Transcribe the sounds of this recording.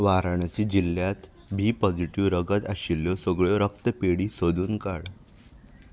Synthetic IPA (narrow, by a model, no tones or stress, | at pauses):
ʋaɾaɳ̃t͡ɕiːd͡ʑiljat̪ | bʱiːpɔd͡ziʈiʋɾəɡət̪aɕiljɔsəɡɭjɔɾək̚t̪əpeɽiːsod̪ʱuːnkaɽ